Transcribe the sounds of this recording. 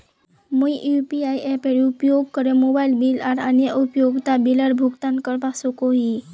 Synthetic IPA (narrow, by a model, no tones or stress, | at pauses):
muiʔjupiajʔɛpeɾupjoɡ̚kəɾemobajlbilaɾanjəʔupjoɡt̪abiləɾbʱuɡt̪ankəɾbasokoɦi